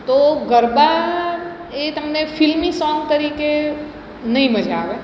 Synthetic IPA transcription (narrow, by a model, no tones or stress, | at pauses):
t̪oɡəɾba | et̪əmnefʰɪlmĩsɔ̃ŋɡt̪əɾiːke | nɐɦĩməd͡ʒʱaːʋe